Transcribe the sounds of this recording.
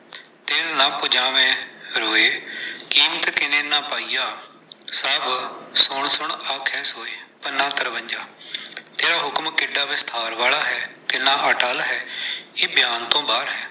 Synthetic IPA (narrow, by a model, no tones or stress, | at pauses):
t̪eːlnãːpʊd͡ʒãːʋẽːɾoːeːkiːmt̪kɪnẽːnaːpaːijaː | səːbsʊɳsʊɳaːkʰɛːsoːeːpənːãːt̪əɾʋəɲd͡ʒaːt̪eːɾaːɦʊkmkɪɖaːʋɪst̪ʰaːɾʋaːlaːɦɛːkɪnaːʔaːʈaːlaɦɛːeːbjaːnt̪õːbaːɾɦɛː